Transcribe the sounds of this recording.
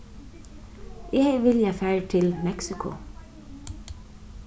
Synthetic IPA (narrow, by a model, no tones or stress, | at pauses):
jʔɛɡʋɪljafæːɹt̪ʰɪlmɛksɪkʰʊ̰